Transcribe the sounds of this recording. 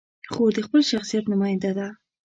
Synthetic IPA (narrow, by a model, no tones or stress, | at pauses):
xod̪əxpəlʃaxsijat̪nʊmɑjɪnd̪ad̪a